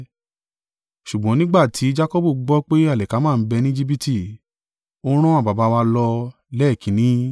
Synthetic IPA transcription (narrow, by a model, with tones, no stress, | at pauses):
ʃu˨ɡ͡bɔ̃˨˦nĩ˦ɡ͡ba˦˨tʰi˨˦d͡ʒa˦ko˦bu˦˨ɡ͡bɔ˦k͡pe˦a˦˨lɛ˨ka˨˦mãː˦˨n̩˦bɛ˧nĩ˦d͡ʒi˦bi˦ti˦˨ | o˦ɾ̃ɔ̃˦a˦˨ba˨ba˧˦wa˧lɔ˧ | lɛ˦˨kĩ˨˦nĩ˨˦